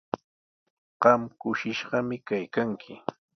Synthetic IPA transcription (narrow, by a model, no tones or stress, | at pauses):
ɢ̥ɑmkʊʃɪʃɢɑmɪkajkaŋkʰɪ